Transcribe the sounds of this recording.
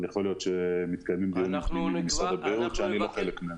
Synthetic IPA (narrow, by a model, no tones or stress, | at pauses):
jaχo̞ljo̞t̪ʃemit̪kajmimd̪iimaχnimimbemisʁad̪abʁiʁut̪ʃeanilo̞χelekme